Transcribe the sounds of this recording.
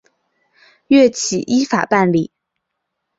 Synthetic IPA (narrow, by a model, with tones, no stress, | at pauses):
ɥɛ˥˩t͡ɕʰi˨˩ʔi˥fa̰˨˩pa˥˧nli˨˩˦